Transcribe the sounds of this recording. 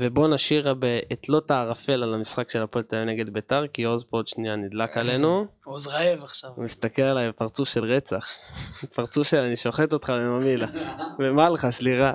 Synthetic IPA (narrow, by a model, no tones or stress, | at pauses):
ve̞bo̞naʃiʁabeetlo̞taːʁafe̞lalamisχakʃe̞lapolt̪ajeneɡe̞d̪betaʁkio̞zpood̪ʃnijanid̪lakale̞nuozʁaevaχʃavmist̪akelalajbepaʁt͡sufʃe̞lʁet͡saχpaʁt͡sufʃelaniʃo̞χet̪o̞t̪χalemamilavemalχasliʁa